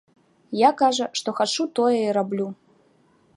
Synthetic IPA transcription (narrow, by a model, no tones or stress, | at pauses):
jakaʐɐʂt̪ɔxat͡ʂut̪ɔjɛiɾablʲu